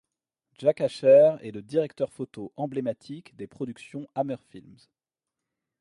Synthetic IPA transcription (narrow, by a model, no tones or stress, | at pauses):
ʒ̥akaʃɛʁɛ̰ləd̪iʁɛkt̪œʁfot̪oʔɑ̃blemat̪ʰikd̪epχɔd̪yksjɔ̃amœʁfilmz